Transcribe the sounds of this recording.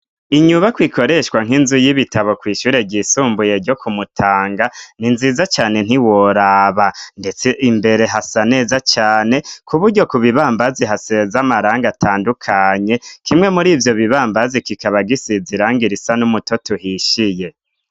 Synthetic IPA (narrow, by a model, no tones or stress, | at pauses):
iɲuβakwikʰo̞ɾe̞ʃkwaŋ̥ɦinzujiβitaβo̞kwiːʃuːɾe̞bɟisuːmbuje̞ɾɟo̞kʰumutʰaːŋɡaninzizat͡ʃaːne̞n̥iwoɾaːβande̞t͡seʔimbe̞ɾe̞ɦasane̞ːzat͡ʃaːne̞kuβuɾɟo̞kuβiβaːmbaziɦasezamaɾaːŋɡatʰaːndukʰaɲe̞kʰimŋe̞muɾiːvjo̞βiβaːmbazikikaβaɡisiziɾaːŋɡiɾisanumuto̞tuɦiʃije̞